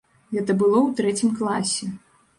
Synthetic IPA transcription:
ɣɛt̪ɐbɨlˠɔwt̪ɾɛt͡sʲimklˠasʲɛ

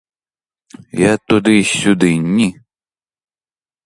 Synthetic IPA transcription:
jat̪ud̪ɪsʲud̪ɪnʲːi

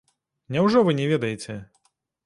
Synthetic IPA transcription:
nʲɛwʐɔvɨnʲɛvʲɛd̪ɐjet͡sʲɛ

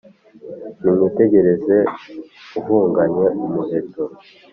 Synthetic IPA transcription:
nimute̞ɟe̞ɾe̞ze̞ | uvuːŋɡaɲe̞umuhe̞to

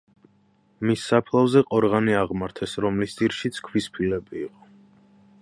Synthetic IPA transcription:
misːapʰlˠavzɛqʼɔɾʁaniaʁmaɾt̪ʰɛsɾɔmlisd̪iɾʃit̪sʰkʰwispʰilɛbiːqʼɔ

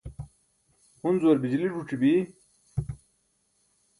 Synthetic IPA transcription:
hunzuɐɾbid͡ʑliʐuʈ͡ʂibi

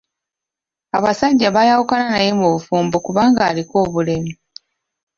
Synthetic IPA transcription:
aβasaɟːaβajawukalanaje̞muβufuːmbokuβaːŋɡaːliko̞ːβule̞mi

